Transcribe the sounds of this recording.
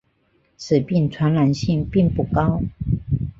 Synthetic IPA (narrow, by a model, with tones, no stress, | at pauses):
t͡sʰɹ̩˨˩pi˥˩nt͡sʰwa˧˥nla˧˥nɕi˥˨ŋpi˥˧ŋpu˥˩kɑ˦ʊ